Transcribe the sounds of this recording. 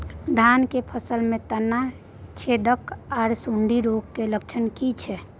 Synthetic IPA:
d̪ʱankepʰəsəlmẽt̪ənːa | t͡ʃʰed̪əkɔːɾsuɳɖʱiɾokːelək̚t͡ʃʰənkit͡ʃʰɛ

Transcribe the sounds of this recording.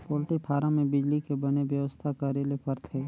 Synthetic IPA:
poːlʈɪkpʰaːɾãmẽbɪd͡ʒlikebɐneʋjəʋəst̪ʰakaːɾjelepʰəɾt̪ʰeː

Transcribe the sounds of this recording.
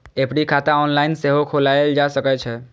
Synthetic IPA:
epɽikʰat̪aɔnlainseɦokʰolaeld͡ʒasəket͡ʃʰɛ

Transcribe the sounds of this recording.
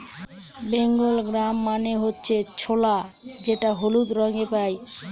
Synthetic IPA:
beŋɡolɡɾamːaneɦotːɕʰet͡ɕʰolad͡ʑeʈaɦolud̪ɾɔŋɡepaj

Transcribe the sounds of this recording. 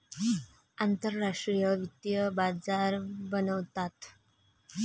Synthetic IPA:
ant̪əɾːaʂʈɾijəʋit̪jəbad͡zaɾbənəʋt̪at̪

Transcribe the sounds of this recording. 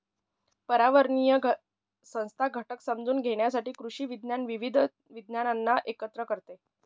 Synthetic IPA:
pəɾaʋəɾɳijə | sə̃w̃st̪ʰaɡʱəʈəksəmd͡zuːnɡʱeɽjasaʈiːkɾuʂiːʋid̪ʱnjanʋiʋid̪ʱ | ʋid̪njananːaʔekət̪ɾəkəɾt̪e

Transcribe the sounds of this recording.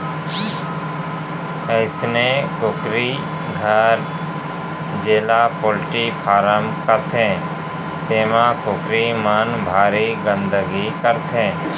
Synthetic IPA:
əɪsnekʊkɾi | ɡʱəɾ | d͡ʒeːlapʰoːlʈipʰaːɾəmkət̪ʰẽː | t̪eːmãkʊkɾimənbʱaːɾiɡə̃nd̪əɡikəɾt̪ʰẽː

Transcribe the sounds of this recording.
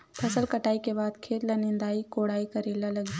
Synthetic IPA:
pʰəsəlkəʈaːikebaːd̪kʰeːt̪lənĩnd̪aːikoɽaːikəɾeːlaləɡi

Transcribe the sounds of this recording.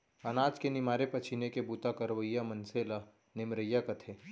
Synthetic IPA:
ɐnaːd͡ʒkenɪmaːɾepɐt͡ʃʰinekebuːt̪akɐɾʋəjːamɐnseːla | nɪmɾəjːakɐt̪ʰeː

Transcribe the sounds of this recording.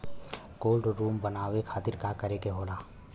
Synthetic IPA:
koːlɖɾuːmbənaːʋekʰaːt̪ɪɾkakəɾekeɦoːlaː

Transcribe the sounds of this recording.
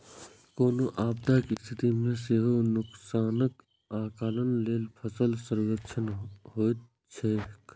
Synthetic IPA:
koːnoʔaːb̚d̪akist̪ʰɪt̪imẽseɦonʊksaːnək | aːkaːlənleːlpʰəsəlsəɾɡəkt͡ʃʰənɦoːt̪ | t͡ʃʰek

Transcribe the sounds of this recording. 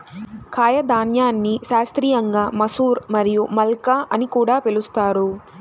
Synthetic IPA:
kʰaːjɐd̪aːnjaːnːiʃaːst̪ɾiːjɐŋɡaːmɐsuːɾmɐɾijumɐlkaʔɐnikuːɽaːpelust̪aːɾu

